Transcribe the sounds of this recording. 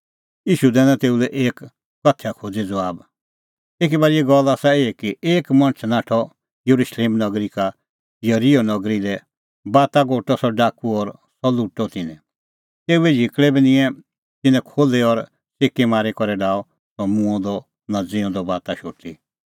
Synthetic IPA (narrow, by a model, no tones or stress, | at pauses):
iːʃud̪ɛːnãt̪eːulɛʔeːk | kɐt̪ʰːjakʰoːd͡zed͡zɔʋaːb | eːk̬ibaːɾiɛɡɔlaːsaeːekieːkmɐ̃nt͡ʃʰnaːʈʰɔ | juɾuʃleːmnɐɡɾika | jɐɾijɔnɔɡɾilɛ | baːt̪aɡoːʈːɔsɔɖaːkuɔɾ | sɔluʈːɔt̪ɪnɛ̃ | t̪eːuɛd͡ʒʱɪkɽɛbinɪ̃ɛ̃ | t̪ɪnɛ̃kʰoːlɛɔɾ | seːkemaːɾikɔɾɛɖaːɔ | sɔmũɔ̃d̪ɔ | nɐd͡zĩɔ̃d̪ɔbaːt̪aʃoːʈi